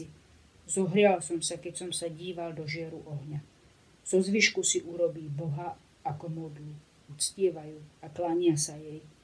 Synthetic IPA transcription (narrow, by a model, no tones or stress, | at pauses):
i | zɔɦɾɪalsɔmsakɛcsɔmsaɟiːʋald̪ɔʒɪɛɾuʔɔɦɲa | z̥ɔzʋiʃkusiʔuɾɔbiːbɔɦa | akɔmɔd̪lu | ut͡scɪɛʋajuːaklaɲɪasajɛj